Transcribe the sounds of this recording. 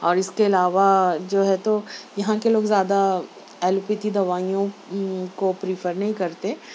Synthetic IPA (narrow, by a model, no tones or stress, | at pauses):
ɔːɾɪskeɪlaːʋad͡ʒoːɦɛt̪ojɐɦãkeloːɡzjaːd̪a | ɛːlupɪt̪id̪ɐʋaːijõkopɾɪfʰəɾnɐɦĩkɐɾt̪e